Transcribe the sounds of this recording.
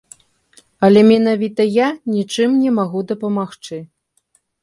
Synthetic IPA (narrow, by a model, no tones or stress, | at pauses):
ɐlʲɛmʲɛnavʲit̪ɐjanʲit͡ʂɨmnʲɛmaɣud̪ɐpɐmaxt͡ʂɨ